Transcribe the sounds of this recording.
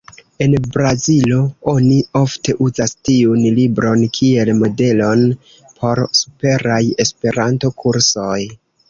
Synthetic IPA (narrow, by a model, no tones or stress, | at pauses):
e̞nbɾazilo̞o̞nio̞fte̞ʔuzastiunlibɾonkʰie̞lmo̞de̞lo̞n | pʰo̞ɾsupe̞ɾaje̞spe̞ɾanto̞kʰuɾso̞j